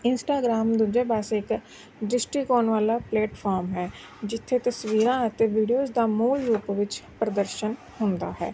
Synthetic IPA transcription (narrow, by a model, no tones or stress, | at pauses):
ɪnsʈaːɡɾaːmd̪ud͡ʒeːbaːsɪk | ɖɪsʈiːkɔːnʋaːlaːplɛːʈpʰɔːɾmɦɛː | d͡ʒɪt̪ʰːeːt̪əsʋiːɾãːət̪eːʋiːɖijoːzd̪aːmuːlɾuːpʋɪt͡ʃpɾəd̪əɾʃən | hʊ̃nd̪a̰ːɦɛ̰ː